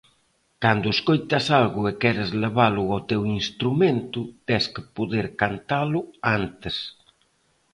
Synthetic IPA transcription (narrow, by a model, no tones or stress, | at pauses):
kand̪ʊeskojt̪asalɣʊekɛɾɪzleβalʊawt̪ewinst̪ɾumẽnt̪ʊt̪ɛskɪpoðeɾkant̪alʊant̪ɪs